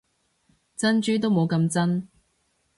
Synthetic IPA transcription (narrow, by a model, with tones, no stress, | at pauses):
t͡sɐ˥nt͡ʃyː˥t̪̬o˥wmo˨˧wkɐ˧mt͡sɐ˥n